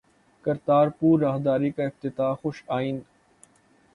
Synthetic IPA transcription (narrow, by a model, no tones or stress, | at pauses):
kɐɾt̪aːɾpuːɾːaːɦd̪aːɾikaɪft̪ɪt̪aːxʊʃaːin